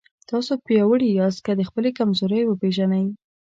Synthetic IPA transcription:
t̪ɑsopjɑwəɽijɑzkad̪əxpəlekamzoɾəjwəpeʒanaj

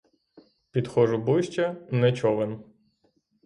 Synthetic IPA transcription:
pʲid̪xɔʒʊbʊʃʲt͡ʃɐnɛt͡ʃɔʋɪn

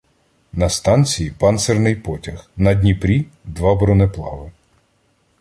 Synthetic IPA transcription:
nɐst̪ɑnʲt͡sʲijipɑnsɛrnɪjpɔtʲɐxnɐdʲnʲipɾʲid̪ʋɑbɔɾɔnɛplˠɑ̰ʋɪ

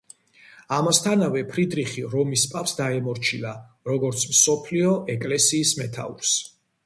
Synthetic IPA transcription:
amast̪ʰanavɛpʰɾid̪ɾiχiɾɔmispʼapsd̪aɛmɔɾt͡ʃʰila | ɾɔɡɔɾt̪sʰmsɔpʰliɔʔɛkʼlɛsiːsmɛt̪ʰa̰ṵɾs

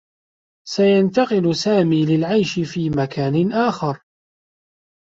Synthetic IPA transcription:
sajant̪ɑqɪlʊsaːmiːlɪlʕajʃɪfiːmakʰaːnɪnʔaːxɑɾˤ

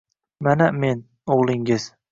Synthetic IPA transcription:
maname̞n | oʁlˠɪŋɪz̥

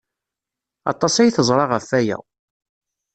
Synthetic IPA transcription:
ɑ̰t̪ˤːɑsæjθəzˤɾˤɑʁəfːæjæ̰

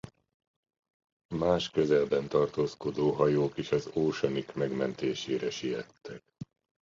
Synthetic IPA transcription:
maːʃkø̞zɛlbɛnt̪ɒrt̪oːsko̞d̪oːɦɒjoːkiʃɒzoːʃɒnikmɛɡmɛnt̪eːʃeːɾɛʃijɛt̪ʰːɛk

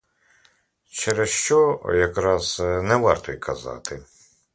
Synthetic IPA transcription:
t͡ʃɛɾɛsʃt͡ʃɔjɐkɾɑz̥nɛʋɑrt̪ɔjkʰɐzɑ̰t̪ɪ

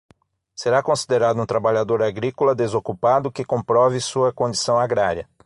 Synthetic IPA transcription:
seɾakõsid̪eɾad̪ʊũt̪ɾabaʎad̪oɾaɡɾikolɐd̪ezokupad̪ʊkɪkõpɾɔvɪsuɐkõd͡ʒisɐ̃w̃aɡɾaɾiɐ

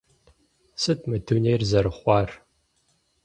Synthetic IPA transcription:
sɨt̚ʰmɨduneːrzɐɾɨχʷɑːr

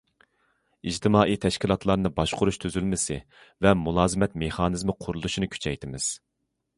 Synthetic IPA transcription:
id͡ʒt̪ʰɪmɑːʔit̪ʰɛʃkʲilˠɑt̪lˠɑɾnɨbɑʃqʰʊɾuʃt̪ʰyzylmɪsɪ̰ | vɛmulˠɑːzɨmɛt̪meχɑːnɨzmɨqʰʊɾulˠuʃinɨkʲʰy̥t͡ʃʰɛjt̪ʰɪmɪ̰z̥

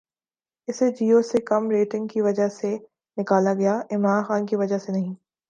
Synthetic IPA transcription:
ɪsed͡ʒiːoːsekɐmɾeːʈɪ̃ŋɡ̚kiʋɐd͡ʒəɦse | nɪkaːlaɡɐjaʔɪmɾaːnxaːnkiʋɐd͡ʒəsenɐɦĩː

